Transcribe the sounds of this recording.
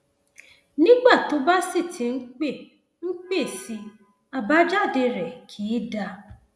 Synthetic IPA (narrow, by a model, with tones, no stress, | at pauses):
nĩ˦ɡ͡ba˦˨to˨˦ba˦si˦˨tʰĩ˨˦n̩˦k͡pe˦˨ | ŋ̩˦k͡pe˦˨si˧˦ | a˧ba˦d͡ʒa˦˨de˧ɾɛ˨kʰiː˨˦da˧